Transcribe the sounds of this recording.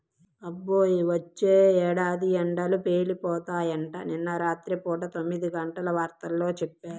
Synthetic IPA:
ɐbːoːjiʋɐt͡ʃːeːɛːɽaːd̪iɛɳɖɐlupeːlipɔːt̪aːjɐɳʈɐ̰ninːɐɾaːt̪ɾipɔːʈɐt̪o̞mːid̪iɡɐɳʈɐlɐʋaːɾt̪ɐlːo̞ːt͡ʃɛpːaːɾu

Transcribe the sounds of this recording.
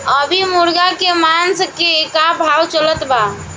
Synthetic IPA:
əbʱimuɾɡakemanskeːkabʱawt͡ʃələt̪ba

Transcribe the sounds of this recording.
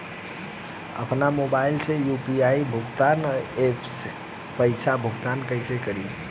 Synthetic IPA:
ə̰pnamobailsẽjupiaibʱuɡt̪anepʰs | pəɪsʰabʱuɡt̪ankəɪsekəɾi

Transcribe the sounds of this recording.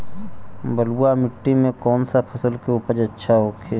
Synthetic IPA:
bəluamɪʈːimẽkɔːnsapʰəsəlkeupəd͡ʒətːʃʰaɦoːkʰeː

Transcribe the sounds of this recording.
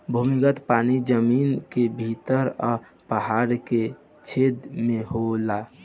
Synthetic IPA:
bʱumikət̪paːnid͡ʒəmiːnkebʱit̪əɾɔ | pəɦaɾke | t͡ʃʰeːd̪mẽɦola

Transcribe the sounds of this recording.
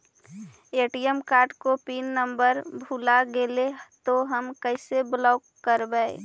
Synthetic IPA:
eːʈijəmkaːɾʈkopiːnːəmbəɾbʱulaɡelet̪oɦəmkəɪseblɔːkːəɾbəe

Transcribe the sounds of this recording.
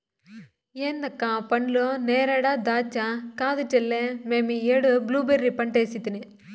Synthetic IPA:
eːnd̪ɐkːãpɐɳloneːɾaːɽaːd̪aːt͡ʃːakaːd̪ɯʈːɛlːememieɽubluːbeɾːipɐɳʈeːsit̪ːini

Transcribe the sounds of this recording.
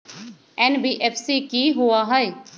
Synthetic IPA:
ɛːnbiːʔɛːpʰsiːkiːɦʊaːɦəeː

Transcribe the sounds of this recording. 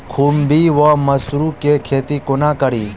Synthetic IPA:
kʰuːmbiʋɔmɐsɾukekʰeːt̪ikʊnakəɾiː

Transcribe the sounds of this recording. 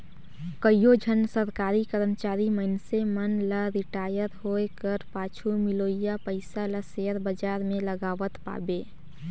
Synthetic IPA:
kəijod͡ʒʱənsəɾkaɾikəɾəmt͡ʃaɾiməɪnsemənləɾiʈajəɾɦokəɾpat͡ʃʰumilojapəɪsaləseəɾbəd͡ʒaɾmeləɡaʋət̪pa̰be

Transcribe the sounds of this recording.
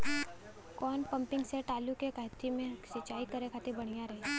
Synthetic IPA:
kɔːnpə̃mpɪ̃ŋɡseʈaːlukekəɦt̪imẽsɪt͡ʃaːikəɾekʰaːt̪ebɐɽ̤̃ijaɾɐɦe

